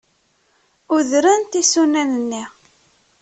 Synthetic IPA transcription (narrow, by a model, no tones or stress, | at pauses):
uðɾænt̪isunænənːi